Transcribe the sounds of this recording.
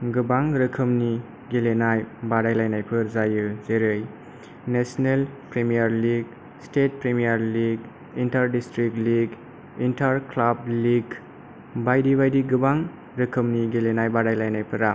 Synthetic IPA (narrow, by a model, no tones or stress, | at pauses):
ɡɯbaŋɾɯkʰɯmni | ɡelenajbaɾajlajnajpʰɯɾzajɯzeɾɯj | nesnelpɾemijaɾliɡ | stet̚pɾemijaɾliɡ | intaɾdistɾik̚liɡ | intaɾklab̚liɡ | bajdibajdiɡɯbaŋ | ɾɯkʰɯmniɡelenajbaɾajlajnajpʰɯɾa